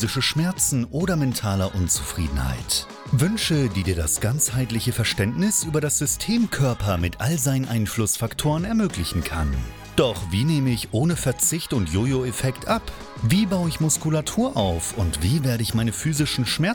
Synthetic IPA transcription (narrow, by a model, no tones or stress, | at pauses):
zɪʃəʃmɛɐt͡sn̩ʔoːdɐmɛntʰaːlɐʔʊnt͡su̥fʁ̥ḭːdn̩ha̰ɪt | vʏnʃədiːdiːɐdasɡ̥ant͡shaɪtlɪçəfɛɐʃtɛntnɪsʔyːbɐɾasz̥ʏstʰeːmkʰœɐpɐmɪtʔalzaɪnənʔaɪnflʊsfaktʰoːʁənɛɐmøːklɪçn̩kʰa̰n | d̥ɔχviːneːməɪçʔoːnəfɛɐt͡sɪçtʊntjoːjoefɛktʰʔap | viːbaʊəɪçmʊskulatʰuːɐʔaʊfʊntv̥iːveːɐɾəɪçmaɪnəfyːzɪʃn̩ʃmɛɐ